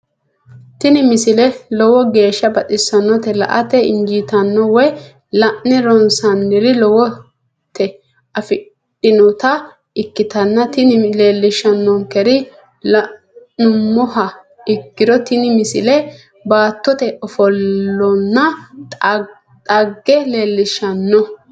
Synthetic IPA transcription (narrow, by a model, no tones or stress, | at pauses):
t̪ɪnɪmɪsɪlɛlɔwɔɡe̞ːʃːɐbɐt̪ʼɪsɐnːɔt̪ɛlɐ̰ʔɐ̰t̪ɛɪ̰nd͡ʒiːt̪ɐnːɔwɛ | lɐʔnɛɾɔnsɐnːɪɾɪlɔwɔ | t̪ːɛ | ɐfɪ | ɗɪnɔt̪ɐ | ɪkːɪt̪ɐnːɐt̪ɪnɪleːlːɪʃɐnːɔŋkɛɾɪ | lɐ | nʊmːɔhɐ | ɪkːɪd̪ɔt̪ɪnɪmɪsɪlɛ | baːt̪ːɔt̪ɛɔfɔlːɔnːɐ | t̪ʼɐɡːɛleːlːɪʃɐnːɔ